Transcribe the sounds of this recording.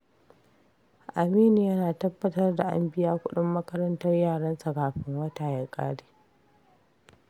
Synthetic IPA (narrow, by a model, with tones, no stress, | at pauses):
ʔa˨miː˦ni˨jɐ˦naː˨tɐ˦bːɐ˦tɐ˦rda˨ʔa̰˦mbɪ˦jaː˦kʷʊ˦ɗɪ˦mːɐ˦kɐ˦ɾɐ˦ntɐ˦rjaː˦˨ɽɐ˦nsa˨kaː˨ɸɪ˦ŋwɐ˦taː˨ja˨kʼa̰ː˦ɽeː˨